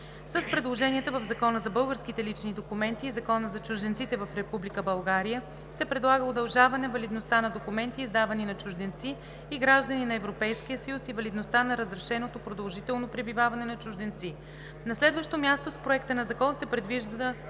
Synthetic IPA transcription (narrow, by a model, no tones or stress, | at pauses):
səspɾɛd̪lˠoʒɛniɛt̪əvəvzɐkɔnəzɐbɤlˠɡəɾskit̪ɛlit͡ʃnid̪okumɛnt̪iːzɐkɔnəzɐt͡ʃʊʒd̪ɛnt̪sit̪ɛvəfɾɛpublikəbɐlˠɡaɾijə | sɛpɾɛd̪lˠaɡəod̪ɐlˠʒavɐnɛvɐlid̪nost̪anɐd̪okumɛnt̪iːzd̪avɐninɐt͡ʃʊʒd̪ɛnt̪siː | ɡɾaʒd̪əninɐɛvɾopɛjsk̟ijəsəjusivɐlid̪nost̪anɐɾəzɾɛʃɛnot̪opɾod̪ɐlˠʒit̪ɛlˠnopɾɛbivavɐnɛnɐt͡ʃʊʒd̪ɛnt̪si | nɐslɛd̪vəʃt̪omʲjast̪ospɾoɛkt̪ənɐzɐkɔnsɛpɾɛd̪viʒd̪əə